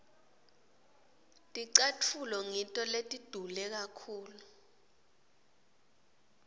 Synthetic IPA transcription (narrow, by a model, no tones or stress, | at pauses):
tʼiǀatʰulɔŋintʼɔletʼid̥ʱulɛk̬akʰuːlu